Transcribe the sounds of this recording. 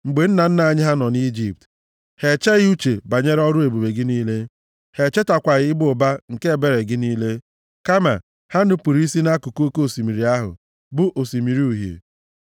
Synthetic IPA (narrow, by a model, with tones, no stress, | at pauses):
ŋ͡m̩˨ɡ͡be˨n̩˦na˨n̩˦na˨ɲɪ˦ɦa˦nɔ˨ni˦d͡ʒi˨p̚t | he˨t͡ʃe˦ɣɪ˦u˦t͡ʃe˨ba˨ɲe˦ɾɔ˦ɾʊ˦e˨bu˨be˨ɡɪ˦niː˦le˦ | he˨t͡ʃe˦ta˨kʷa˨ɣɪ˦ɪ˦bʊ˨ʊ˨ba˦ŋ̩˨ke˦e˨be˦ɾe˨ɡɪ˦niː˦le˦ | ka˦ma̰˨ | ha˦nʊ˦pu˨ɾi˦i˦si˦na˦ku˨ko˦ko˦o˨si˨mi˨ɾi˨a˦ɦʊ̰˨ | bʊ˦ʔo˨si˨mi˨ɾi˦u˨ɦjḛ˨